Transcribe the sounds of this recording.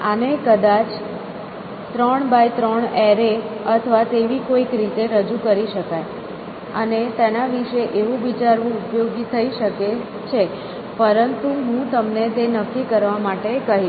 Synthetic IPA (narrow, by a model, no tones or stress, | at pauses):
anekəd̪at͡ʃ | t̪ɾəɳbajt̪ɾəɳɛɾe | ət̪ʰəʋat̪eʋikoikɾit̪eɾəd͡ʒukəɾiʃəkaj | ənet̪enaʋiʃeʔeʋũʋit͡ʃaɾʋũupjoɡt̪ʰəiʃəke | t͡ʃʰe | pəɾənt̪uɦũt̪əmnet̪enəkːikəɾʋamaʈekəɦi